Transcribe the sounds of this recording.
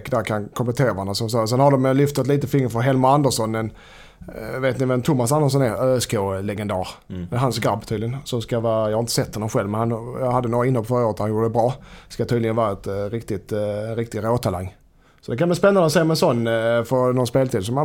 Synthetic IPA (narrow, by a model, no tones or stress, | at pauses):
kːd̪æɾkʰankʰɔmplɛt̪ʰeːɾaanasɔmsɑs̬ɛnhad̪ɔmjlʏft̪at̪liːt̪əfɪŋːəɾfɔɾɦɛlmaand̪əʂɔnːɛn | veːt̪nɪvɛmt̪ʰʊmːasand̪əʂ̬ɔnɛɾøːɛskʰoːlɛɡɛnd̪æːɾɛɦansɡɾabt̪ʰiːd̪lɪɡənsɔmskavɑːjɑhaɾɪnt̪ə̥sɛt̪ʰːhɔnːɔmɧɛlvmɛnhanjɑhad̪ːənoːɾaɪnːhɔlːfœɾaoːɾət̪hanjuːɖəd̪ɛbɾɑːskat̪ʰiːd̪lɪɡənvɑːɾaɛt̪ɾɪkt̪ɪt̪ɾɪk̚t̪ɪɾoːt̪ʰala̰ŋː | sɔd̪ɛkanbliːspɛnːand̪əɔsɛjːmɛnsɔnːfœɾnɔnspeːlt̪ʰiːd̪sɔma